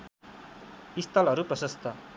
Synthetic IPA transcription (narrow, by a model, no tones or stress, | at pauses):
ist̪ʰʌlɦʌɾuprʌsʌst̪ʌ